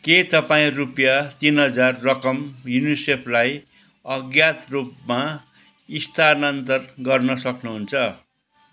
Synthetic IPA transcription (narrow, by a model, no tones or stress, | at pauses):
ket̪ʌpaĩrupjat̪inɦʌd͡zarːʌkʌmjunisepʰlaj | ʌɡjat̪rupma | ist̪ʰanʌnt̪ʌrɡʌrnʌsʌknuɦunt͡sʰʌ